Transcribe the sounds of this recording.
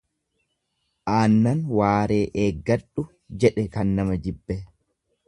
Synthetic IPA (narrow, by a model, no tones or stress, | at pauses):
ʔaːnːɐnwaːɾeːʔeːɡːɐᶑʊ | d͡ʒɛᶑɛkɐnːɐmɐd͡ʒɪbːɛ